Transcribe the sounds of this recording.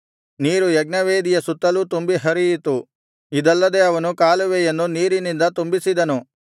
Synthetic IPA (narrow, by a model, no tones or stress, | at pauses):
niːɾujɐɡ̚nɐʋeːd̪ijɐsut̪ːɐlut̪umbiɦɐɾijit̪u | id̪ɐlːɐd̪e̞ɐʋɐnukaːluʋejenːuniːɾinind̪ɐt̪umbisid̪ɐnu